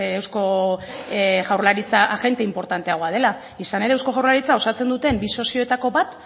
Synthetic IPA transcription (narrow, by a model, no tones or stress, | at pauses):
ewsko̞ | ɣawrlaɾit͡saʔaɣe̞nt̪eimpo̞ɾt̪ant̪e̞aɣ̞o̞að̞e̞la | isane̞ɾe̞ːwsko̞ɣawɾrlaɾit͡sao̞sat͡se̞nd̪ut̪e̞mbiso̞sio̞et̪ako̞βat̪